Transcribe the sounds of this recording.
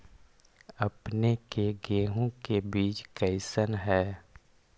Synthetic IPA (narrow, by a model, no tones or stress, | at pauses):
ɐpnekeɡeːɦõkebiːt͡ʃkəɪsənɦɛː